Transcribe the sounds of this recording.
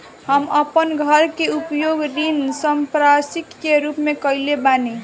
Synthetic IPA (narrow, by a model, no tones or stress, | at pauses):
ɦəməpənɡʱəɾkeupjoɡɾinsəmpɾasikkeɾupmekəilebane